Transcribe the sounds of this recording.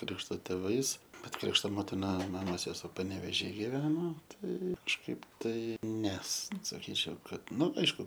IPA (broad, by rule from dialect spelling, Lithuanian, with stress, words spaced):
ˈkrʲɪkʃtoː tʲeːˈʋɐɪs ˈbʲɛt ˈkrʲɪkʃtoː ˈmoːtʲɪnɐ ˈmɑːmoːs sʲɛˈsuɔ pɐnʲɛʋʲeːˈʒʲiː ɡʲɪˈʋʲæːnoː ˈtɐɪ kɐʃˈkɐɪp tɐɪ ˈnʲɛs sɐˈkʲiːt͡ʃʲɛʊ ˈkɐt ˈnʊ ˈɐɪʃkʊ